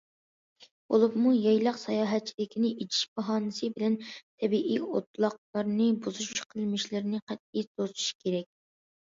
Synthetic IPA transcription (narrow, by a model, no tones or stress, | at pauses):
b̥olˠɨpmujɑjlˠɑqsɑjɑːɦɛt̪̚t͡ʃʰilɪkʲʰinɪʔet͡ʃʰi̥ʃb̥ɑɦɑːnɨsɨbɪlɛnt̪ʰɛbiʔiot̪̚lˠɑq̚lˠɑɾnɨbuzuʃuʃqʰəlˠmɪʃlɪɾɪnɪqæt̪̚isozu̥ʃkʲʰeɾɛk̚ʲ